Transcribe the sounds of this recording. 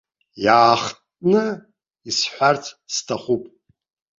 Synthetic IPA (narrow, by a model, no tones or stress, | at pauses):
jaːχtʼnɨ | isħʷᶣart͡sʰstʰaχupʼ